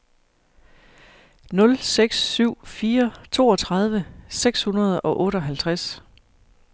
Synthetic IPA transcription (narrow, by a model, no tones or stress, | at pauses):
nɔ̽lseɡ̥sːyʊ̰fiːɐt͡sʰo̝̰ːɒ̽t͡sʰʁɑ̈ð̞ˠʋəseɡ̥shunɐð̞ˠɒ̽ʔɔ̽ːɾəɒ̽ɦælt͡sʰʁas